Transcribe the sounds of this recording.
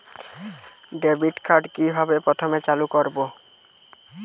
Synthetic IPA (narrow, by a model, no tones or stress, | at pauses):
ɖebʱiʈkʰaɾɖkibʱabepɾɔt̪ʰɔmet͡ʃalukɔɾbo